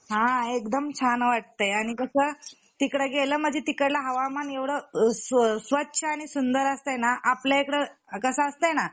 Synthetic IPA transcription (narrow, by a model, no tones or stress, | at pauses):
ɦãekd̪əmt͡ɕʰanʋaʈ̚t̪əjaɽ̃ikəsəː | t̪ikɽəɡeləːməd͡ʑʱit̪ikəɽlaɦəʋamaneʋɽəssʋətːɕʰəaɽ̃isund̪əɾəst̪əjnaʔapljaekɽəkəsəəst̪əjna